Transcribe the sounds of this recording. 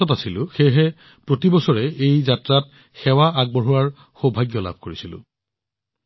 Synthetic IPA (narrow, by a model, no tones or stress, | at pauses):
ɔtasilʊ̃xejɦɛ | pɹotibɔsɔɹɛejzatɹat | xɛwaʔaɡ̚bɔɹuwaɹ | xobʱaɡjɔla̰b̚ʱkoɹisilʊ̰̃